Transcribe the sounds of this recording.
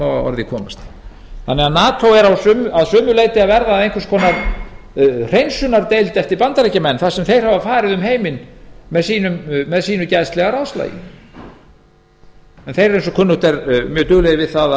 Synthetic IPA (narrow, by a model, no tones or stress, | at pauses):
awaɔ̰ɾðɪkʰɔːma̰st̪ | θanːɛɣanaːt̪ʰowɛɾawsʏːmaðsœːmʏleːjt̪ɪaðvɛɾðaːðejŋkvɾ̥skʰɔːnaɾ | r̥ejnsʏnaɾt̪ejlt̪ɛft̪ɪɾpant̪aɾecamɛnːθasɛmθejɾ̥havafaːɾɪðʏmɦejmɪnmɛðsiːnʏmːɛðsiːnʏcɛðst̪lɛɣaɾaðsla̰jɪ̰ | ɛnθejɾɛɾejnsɔkʰʏnːʏt̪ɛɾmjœːt̪ʏːɣlɛɣɪvɪðθaða